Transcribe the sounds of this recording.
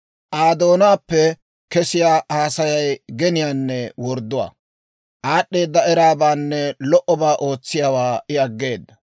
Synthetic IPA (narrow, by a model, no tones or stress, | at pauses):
ʔaːd̪o̞ːnaːpːɛ | kɛsɪjaːhaːsɐjɐjɡɛnɪjaːnːɛwɔɾd̪ːʊwa̰ː | ʔaːɗːe̞ːd̪ːɐɛɾaːbaːnːɛlɔʔɔbaːʔo̞ːt͡sːɪjaːwaːɪɐɡːe̞ːd̪ːɐ